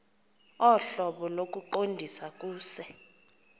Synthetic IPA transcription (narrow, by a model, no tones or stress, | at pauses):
ɔɬɔɓɔlok̬ʼuǃondʱisak̬ʼuːsɛ